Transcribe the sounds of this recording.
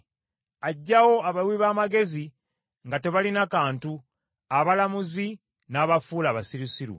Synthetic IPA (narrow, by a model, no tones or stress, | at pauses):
aɟːawo̞aβalwiβaːmaɡe̞zi | ŋɡate̞βalinakaːntu | aβalamuzi | naːβafuːlaːβasiɾisiɾṵ